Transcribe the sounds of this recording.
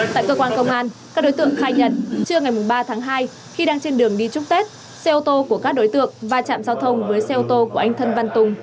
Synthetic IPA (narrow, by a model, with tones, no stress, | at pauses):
t̪a̰ː˧˨jkəː˧kwaː˧nkə˧wŋ͡mʔaː˧nka˦˥k̚ɗo˨˦jt̪ɨ̰˧˨əŋxaː˧jɲə˧˩n̚t͡ɕɨ˧əŋa˨˩jmʊ˨˩ŋ͡mɓaː˧t̪ʰaː˨˦ŋɦaː˧j | xi˧ɗaː˧ŋt͡ɕe˧nɗɨ˨˩əŋɗi˧t͡ɕʊ˦˥k͡p̚t̪e˦˥t̚ | se˧ʔo˧t̪o˧ku˧˩əkaː˦˥k̚ɗo˨˦jt̪ɨ̰˧˨əŋvaː˨˩t͡ɕa̰ː˧˨mzaː˧wt̪ʰə˧wŋ͡mvəː˨˦jsɛ˧ʔo˧t̪o˧ku˧˩əʔa˧jŋt̪ʰə˧nva˧nt̪ʊ˨˩ŋ͡m